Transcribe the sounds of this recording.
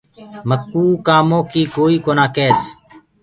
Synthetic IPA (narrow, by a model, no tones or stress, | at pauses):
məkːuːkaːmõːkiːkoːiːkoːnãːkeːs